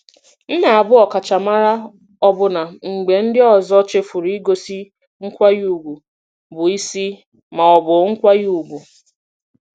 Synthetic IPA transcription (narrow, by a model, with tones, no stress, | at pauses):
n̩˦na˨a˨bʊ˦ɔ˨ka˨t͡ʃa˨ma˦ɾa˦ | ɔ˦bʊ˨na˨ŋ͡m̩˨ɡ͡be˨n̩˦dɪ˦ɔ˦˨zɔ˦t͡ʃe˦fʊ˨ɾi˨˦i˦ɡo˨si˦ | ŋ̩˦kʷa˦ju˨ɡʷu˨ | bʊ˨i˦si˦ | ma˨ɔ˨bʊ˨ŋ̩˦kʷa˦ju˨ɡʷu˨